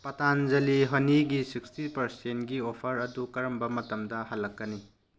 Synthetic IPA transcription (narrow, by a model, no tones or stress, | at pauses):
pɐtanzɐliɦɐniɡisikstipɐɾsentɡiopʰɐɾɐdukɐɾɐmbɐmɐtɐmdɐhalːɐkːɐni